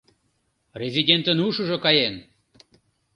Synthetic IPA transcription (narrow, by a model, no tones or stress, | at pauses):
rʲezʲidʲent̪ənuʃuʒokɑjen